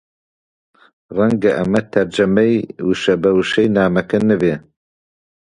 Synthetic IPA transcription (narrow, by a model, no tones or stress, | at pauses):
rɛŋɡɐʔɐmɐt̪ʰɐɾd͡ʒɐmɛjwuʃɐbɐwuʃɛjnaːmɐkɐnɨve